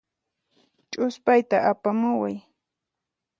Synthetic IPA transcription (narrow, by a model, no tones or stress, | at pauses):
t͡ʃʼʊspajt̪aʔapamʊwa̰j